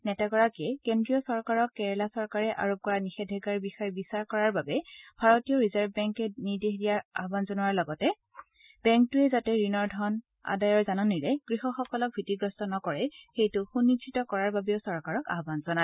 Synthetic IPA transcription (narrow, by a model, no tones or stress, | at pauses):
nɛtaɡɔɹakiɛkendɹijɔsɔɹkaɹɔkːɛɹɛlasɔɹkaɹɛʔa̰ɹop̚kɔɹanixɛdʱɛɡaɹbixɔjɛbisaɹkɔɹaɹbabɛb̥ʱaɹotijɔɹizaɹbbɛŋkɛniɹdeɦdijaɹa̰ɦbanzɔnʊwaɹlɔɡɔtɛ | b̥ɛŋk̚tuɛzatɛɹinɔɹdʱɔn | a̰dajɔɹzanɔniɹɛɡ̥ɹixɔxɔkɔlɔk̚bʱitiɡɔstɔnɔkɔɹɛxejtʊxunːit͡ʃʰitɔkɔɹaɹbabiosɔɹkaɹɔka̰ɦbanzɔna